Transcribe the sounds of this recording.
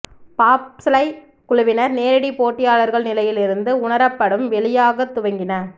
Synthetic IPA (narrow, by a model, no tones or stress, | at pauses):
paːpslɐɪ | kʊɭʊʋɪnɐɾneːɾɐɽipoːʈːɪjaːɭɐɾɣɐɭnɪlɐjɪlɪɾɯnd̪ɯʊɳɐɾɐpːɐɽɯmʋɛɭɪjaːɣɐt̪ːʊʋɐŋɡɪnɐ